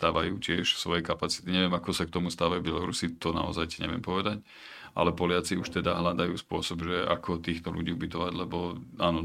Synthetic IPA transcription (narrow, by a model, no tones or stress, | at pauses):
st̪aːʋajuːcɪɛʃsʋɔjɛkapat͡si̥t̪iɲɛʋɪɛmakɔsak̚t̪ɔmust̪aːʋajuːbjɛlɔɾṵsit̪ɔna̰ɔ̰zajiɲɛ̰ʋɪɛ̰mpɔʋɛd̪ac | ʔa̰lɛpɔlɪat͡siuʃt̪ɛd̪aɦlad̪ajuːspʊɔsɔbʒɛʔa̰kʰɔt̪iːxt̪ɔlṵɟiːubit̪ɔʋaɟlɛbɔaːnɔ